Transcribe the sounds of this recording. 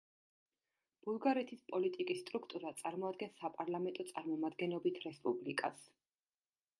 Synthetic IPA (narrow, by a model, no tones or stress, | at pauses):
b̥ulˠɡaɾɛt̪ʰispʼɔlit̪ʼikʼisːt̪ʼɾukʰt̪ʼuɾat̪sʼaɾmɔad̪̚ɡɛnsapʼaɾlˠamɛnt̪ʼɔt̪sʼaɾmɔmad̪ɡɛnɔbit̪ʰɾɛspʼublikʼa̰s